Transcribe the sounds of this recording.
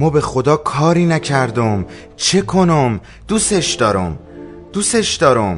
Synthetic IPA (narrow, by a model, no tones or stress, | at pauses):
mɒːbe̞xod̪ɒːkʰɒːɾiːnæcʰæɾd̪om | t͡ʃʰe̞kʰo̞nom | d̪̥uːseʃd̪ɒːɾo̰m | d̪̥uːseʃd̪ɒːɾom